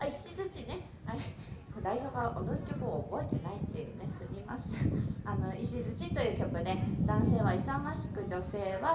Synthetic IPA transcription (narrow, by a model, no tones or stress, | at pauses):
aiɕizɨt͡ɕine̞ | aɾe | kod̪aiçoːɡaʔonozokʲokɯoːbo̞et̪e̞nait̪ːe̞jɯ̟ne̞sɨmʲima̰sɨ̥ano̞iɕizɨt͡ɕit̪o̞jɯ̟ːkʲo̞kɯ̟d̪e̞d̪̥ãɰ̃se̞ːβaisamaɕi̥kɯ̟d͡ʑo̞se̞ːβa